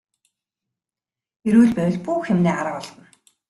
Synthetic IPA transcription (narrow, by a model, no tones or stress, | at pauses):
eɾuːɮpæwʲɪ̆ɮpuːxxemneːɢaɾə̆ɔɮtə̆n